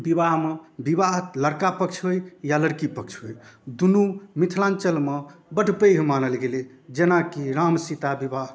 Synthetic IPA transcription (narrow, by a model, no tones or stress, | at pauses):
bibaɦmebibaɦləɾkapək̚t͡ʃʰɦojjaləɾkipək̚t͡ʃʰɦojd̪unumit̪ʰlãnt͡ʃəlmebəɖʱpəjɦmanəlɡeli | d͡ʒenakiɾamsit̪abibaɦ